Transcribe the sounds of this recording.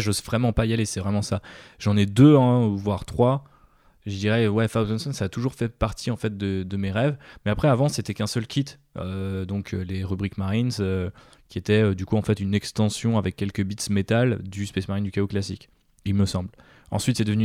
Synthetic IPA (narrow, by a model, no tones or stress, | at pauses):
ʒozvʁɛmɑ̃pajalesɛvʁɛmɑ̃saʒɑ̃nɛd̪øɛ̃vwaʁt̪χwa | ʒəd̪iʁɛwɛfawzɔnsɔnsaːt̪uʒuʁfɛpaʁt̪ʰiɑ̃fɛt̪̚d̪əd̪əmeʁɛvmɛapχɛavɑ̃set̪ɛkɛ̃sœlkʲʰit̪ | ød̪ɔ̃kʰøleʁybʁikmaʁinzø | kʲiet̪ɛød̪ykuɑ̃fɛt̪ynɛkst̪ɑ̃sjɔ̃avɛkʲːɛlkəbit̪smet̪ald̪yspɛsmaʁind̪ykaoklasikʲ | ilməsɑ̃bl | ɑ̰̃sɥit̪sɛd̪əvny